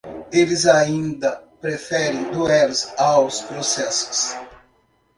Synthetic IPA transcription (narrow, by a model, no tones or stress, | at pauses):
elɪzaĩnd̪ɐpɾefɛɾẽj̃d̪uɛɾsawspɾosɛsʊ̥s